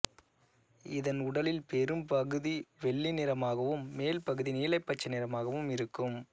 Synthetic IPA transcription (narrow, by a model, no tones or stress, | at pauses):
ɪðɐnʊɽɐlɪlpɛɾɯmpɐɣɯðiʋɛɭːinɪɾɐmaːɣɐʋɯmːeːlpɐɣɯðiniːlɐɪpːɐt͡ʃːɐnɪɾɐmaːɣɐʋɯmɪɾɯkːɯm